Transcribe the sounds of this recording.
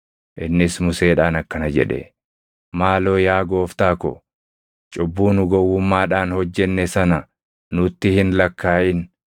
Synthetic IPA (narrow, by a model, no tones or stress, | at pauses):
ʔɪnːɪsmʊseːᶑaːnɐkːɐnɐd͡ʒɛ̰ᶑɛ̰ | maːlo̞ːjaːɡo̞ːft̪aːkɔ̰ | t͡ʃʼʊbːuːnʊɡɔwːʊmːaːᶑaːnhɔd͡ʒːɛnːɛsɐnɐ | nʊt̪ːɪhɪnlɐkːaːʔɪn